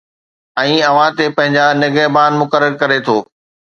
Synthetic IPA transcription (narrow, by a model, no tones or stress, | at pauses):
ɛ̃ːɐʋãt̪epɐ̃ɦɪ̃ɲd͡ʑanɪɡəɦbaːnmʊkəɾəɾkɐɾet̪ʰoː